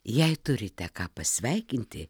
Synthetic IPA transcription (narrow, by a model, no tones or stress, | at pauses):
jɛɪt̪ʊɾʲɪt̪ʲɛkɑːpɐsʲʋʲɛɪkʲɪnʲt̪ʲɪ